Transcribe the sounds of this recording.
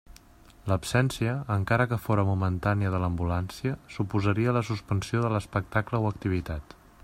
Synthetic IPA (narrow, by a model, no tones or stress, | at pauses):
ləpsɛnsiəːŋkaɾəkəfoɾəmumənt̪aniəðələmbulansiəsupuzəɾiələsuspənsioðələspək̚t̪akləwəkt̪iβ̞it̪at̪